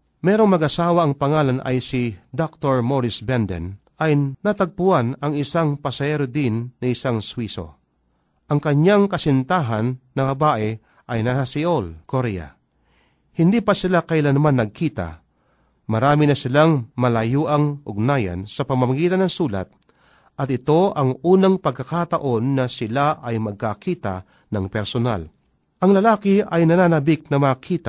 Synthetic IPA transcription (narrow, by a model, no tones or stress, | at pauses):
mɛːɾoŋmɐɡɐsaːwaʔɐŋpɐŋaːlanʔɐ̰jsɪd̪ok̚t̪oɹmoɾɪsbɛnd̪ɛ̰n | ʔɐjnat̪ɐɡ̚pʊanɐŋɪsaŋpɐsɐhɛːɾod̪inːɐɪsaŋswiso̰ | ʔɐŋkɐɲaŋkɐsɪnt̪aːɦɐnːɐbɐbaːʔɛ | ʔɐjnasasɪʔolkoɾɛja̰ | hɪnd̪iːpɐsɪlakɐʔɪlanɐmanːɐɡ̚kiːt̪a̰ | mɐɾaːmɪnɐsɪlaŋmɐlɐjuːʔɐŋʊ̰ɡnaːjɐ̰nsɐpɐmɐmɐɡiːt̪ɐnːɐŋsuːla̰t̪̚ | ʔɐt̪ɪt̪o̞ʔɐŋuːnɐŋpɐɡ̚kːɐkat̪ɐʔo̞nːɐsɪlaʔɐjmɐɡ̚kakiːt̪a̰ | nɐŋpɛɾsona̰l | ʔɐŋlɐlaːkɪʔɐjnɐnaːnɐbɪk̚nɐmakʰiːt̪a